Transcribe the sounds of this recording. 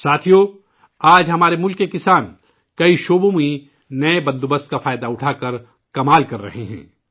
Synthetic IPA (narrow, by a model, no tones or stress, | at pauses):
saːt̪ʰijoː | aːd͡ʒɦɐmaːɾemʊlkekɪsaːn | kɐiʃoːbõmĩ | nɐebɐ̃nd̪obɐst̪̚kafaːjd̪aʊʈʰaːkɐɾ | kɐmaːlkɐɾːɐ̰ɦeɦɛ̰̃ː